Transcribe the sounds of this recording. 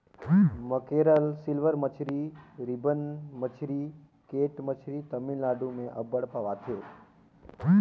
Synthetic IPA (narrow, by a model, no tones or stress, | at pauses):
məkeɾəlsilʋəɾmət͡ʃʰɾiɾibənmət͡ʃʰɾi | keʈmət͡ʃʰɾit̪əminlaɖumẽʔəbəɽpaʋat̪ʰe